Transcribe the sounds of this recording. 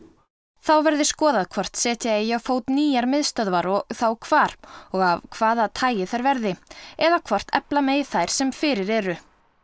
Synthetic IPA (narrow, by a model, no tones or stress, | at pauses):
θawvɛɾðɪskɔːðaðkʰvɔr̥t̪sɛːt̪jaejafoːwt̪niːjaɾmɪðst̪œðvaɾɔθawkʰvaːɾ̥ɔɣavkʰvaːðat̪ʰaːjɪθajɾvɛɾðɪɛðakʰvɔr̥t̪ɛ̰plamɛːjɪθajɾ̥sɛmfɪɾɪɾɛɾʏ